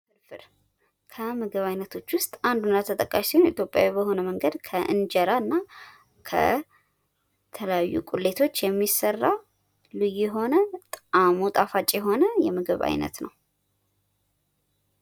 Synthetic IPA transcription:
fɨɾfɨɾ | kʰəmɨɡɨβajnət̪ʰo̞t͡ʃːwʊst̪ʼand̪unat̪ʰət̪ʼəkʼːaʃsihwnit̪jo̞pʼja̰wibəho̞nəməŋɡəd̪kʰəʔɨ̰nd͡ʒɛɾaɨnːa | kʰə̰ | t̪ʰələjajːṵkʼule̞t̪ʰo̞t͡ʃːjɛmːisərːa | lɨjujɛɦo̞nət̪ʼamut̪ʼafat͡ʃʼjɛɦo̞nəjɛmɨɡɨβa̰jnə̰t̪nəw

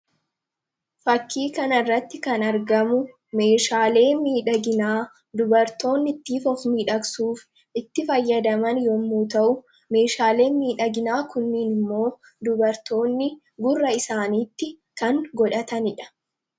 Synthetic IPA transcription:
fɐkʰːiːkɐnɐrːɐt̪ːɪkɐnɐɾɡɐmʊ | me̞ːʃaːle̞ːnmiːᶑɐɡɪnaː | d̪ʊbɐɾt̪o̞ːnːɪt̪ːiːfɔfmiːᶑɐksuːf | ɪt̪ːɪfɐjːɐd̪ɐmɐnjɔmːuːt̪ɐʔʊ | me̞ːʃaːle̞ːnmiːᶑɐɡɪnaːkʊnːiːnɪmːo̞ː | d̪ʊbɐɾt̪o̞ːnːɪ | ɡʊrːɐɪsaːniːt̪ːɪ | kɐŋɡɔᶑɐt̪ɐnɪᶑɐ̥

